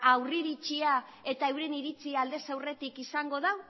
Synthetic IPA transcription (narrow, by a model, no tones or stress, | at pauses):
awriɾit͡ʃia | e̞t̪aewɾe̞niɾit͡siald̪e̞sawre̞t̪ikisaŋɡo̞ð̞aw